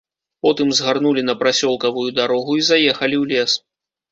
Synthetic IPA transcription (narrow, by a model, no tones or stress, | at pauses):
pɔt̪ɨmzɣarnulʲin̪ɐpɾasʲɔlˠkɐvujud̪aɾɔɣuizajɛxɐlʲiwlʲɛs